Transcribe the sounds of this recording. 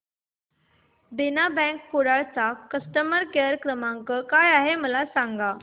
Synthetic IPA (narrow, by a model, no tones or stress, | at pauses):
b̪inabɛ̃ŋkːoɽaɭt͡sakəsʈəməɾkeəɾkɾəmãŋkəkajaɦeməlasãŋɡa